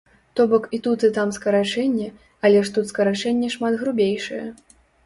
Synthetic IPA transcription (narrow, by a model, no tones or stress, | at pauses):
t̪ɔbɔkit̪ut̪ɨt̪amskɐɾat͡ʂɛnʲːɛ | ɐlʲɛʂt̪ut̪skɐɾat͡ʂɛnʲːɛʂmad̪ɣɾubʲejʂɨjɛ̰